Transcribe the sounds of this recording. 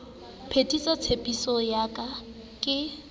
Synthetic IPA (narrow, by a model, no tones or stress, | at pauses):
pʰetʼisɔt͡sʰepʼisɔjakʼa | kʼɪ